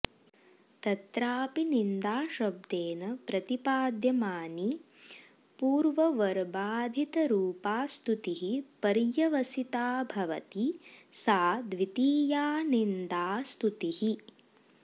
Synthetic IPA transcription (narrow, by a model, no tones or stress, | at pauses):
t̪ɐt̪ɾaːpinind̪aːʃɐb̚d̪eːnɐpɾɐt̪ipaːd̪jɐmaːni | puːɾʋɐʋɐɾbaːd̪ʱit̪ɐɾuːpaːst̪ut̪iɦipɐɾjɐʋɐsit̪aːbʱɐʋɐ̰t̪isaːd̪ʋit̪iːjaːnind̪aːst̪ut̪ihi